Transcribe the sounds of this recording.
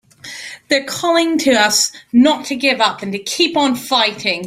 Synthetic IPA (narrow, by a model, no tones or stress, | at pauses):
ðəkʰɒlɪ̃ŋtʰəʌsnətʰəɡɪvʌpə̃ntəkʰiˑpn̩faɪtʰɪ̃ŋ